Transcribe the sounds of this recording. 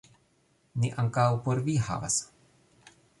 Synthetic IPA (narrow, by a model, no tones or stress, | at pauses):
niʔaŋkawpoɾviha̰va̰s